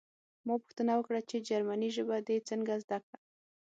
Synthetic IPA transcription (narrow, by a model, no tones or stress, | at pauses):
maɡ̚pʊ̥xt̪ənawəkɽat͡ʃed͡ʒaɾmaniʒəbad̪et͡səŋɡazd̪akɽa